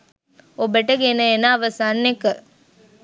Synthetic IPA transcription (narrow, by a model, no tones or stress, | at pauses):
obəʈəɡenəenaːʋəsanːekə